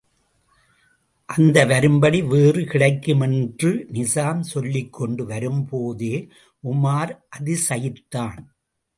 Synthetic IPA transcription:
ʔɐnd̪ɐʋɐɾɯmbɐɽiʋeːrɯkɪɽɐɪkːɯmɛndrɯnɪsaːmsɔlːɪkːɔɳɖɯʋɐɾɯmpoːðeː | ʔʊmaːɾʔɐðɪsɐjɪt̪ːaːn

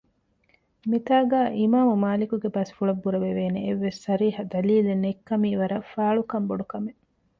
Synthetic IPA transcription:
mit̪aːɡaːʔimaːmumaːlikuɡebɐsfuɭɐbːuɾɐʋeʋeːneeʋːesːɐɾiːɦɐd̪ɐliːlenekːɐmiːʋɐɾɐfaːɭukɐmboɖukɐme

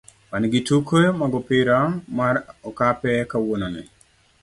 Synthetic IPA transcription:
manɡitukemaɡɔpɪɾamaɾɔkapɛkawononɛ̰

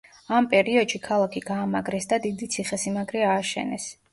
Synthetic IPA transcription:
ampʼɛɾiɔd̪ʃikʰalˠakʰiɡ̥aːmaɡɾɛsd̪ad̪id̪it̪sʰiχɛsimaɡɾɛaːʃɛ̰nɛ̰s

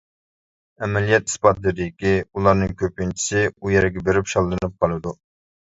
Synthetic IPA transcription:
ɛmɛlijɛt̪i̥spɑt̪lɪɾɪɪkʲiulˠɑɾnɨŋkʲʰøp̚ɪnt͡ʃʰi̥sɪujɛɾɪɡʲɛbeɾɪpʃɑlˠːɨnɨp̚qʰɑlˠɨd̪u

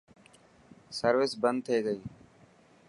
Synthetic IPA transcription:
səɾʋɪsbənd̪̚t̪ʰeːɡəiː

